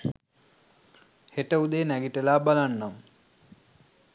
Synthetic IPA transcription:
heʈəud̪eːnæɡiʈəlaːbalanːam

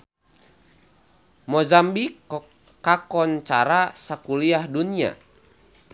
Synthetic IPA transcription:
mɔzambi | kakɔnt͡ʃaɾasakuliahdunia̰

